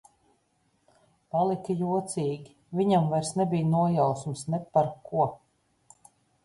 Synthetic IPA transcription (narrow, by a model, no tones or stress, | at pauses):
palˠikɐjuɔt̪siːɡʲi | vʲiɲamvajɾsnɛbijnuɔjawsumsnɛpaɾkuɔ